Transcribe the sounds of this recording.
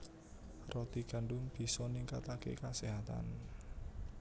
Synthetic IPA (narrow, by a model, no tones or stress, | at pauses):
rɔt̪iɡ̥a̤ɳɖʊnb̥i̤sɔniŋkat̪akḛkaseɦat̪a̰n